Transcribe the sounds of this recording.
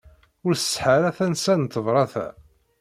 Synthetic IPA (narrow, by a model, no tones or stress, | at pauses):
ʊɾθsħaɾæθænsænt̪ːəvɾˤɑθæ̰